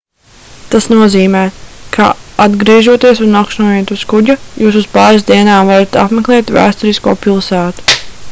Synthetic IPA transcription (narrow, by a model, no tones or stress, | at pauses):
t̪asnuɔziːmɛːkʰa̰ad̪ɡɾiɛʒuɔt̪iɛsunakʃnuɔjet̪uskuɟujuːsuspaːɾizd̪iɛnaːmvaɾat̪a̰pmeklˠɛːt̪væ̰ːst̪uɾiskuːpilˠsæːt̪u̥